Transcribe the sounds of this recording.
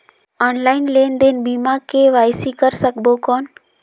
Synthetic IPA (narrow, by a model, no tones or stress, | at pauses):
ɔːnlaːɪnleːnd̪eːnbimakeʋaːjsikəɾsəkbokɔːn